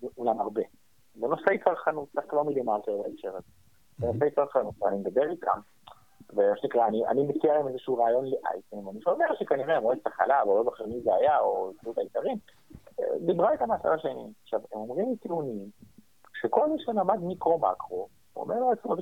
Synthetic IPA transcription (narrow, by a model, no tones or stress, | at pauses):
ulamaʁbe̞ | zeno̞sejkaʁχanut̪̚taχkvaʁmidimaʁt̪eʁbeefʃeʁaze | zenosejkaʁχanut̪veanimd̪abeʁit̪a̰m | vemaʃenikʁaːniʔa̰nimet͡siaʁimezeʃuːʁaːjo̞nleʔa̰jtenvaniʃome̞ʁʃekaniʁeemʁoezt̪aχa̰lavlokaχemizeajaotajut̪aikaʁim̰ | d̪ibʁaet̪amaːsa̰laʃenḭaχʃavemo̞mʁimit̪iunim | ʃeko̞lmiʃelamad̪mikʁoma̰kʁo | o̰meʁloet͡smov